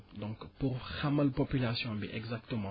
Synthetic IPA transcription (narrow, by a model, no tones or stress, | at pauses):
dɔ̃kpuʁxamɐlpopylasjɔ̃bḭʔɛɡzak̚t̪əmɑ̃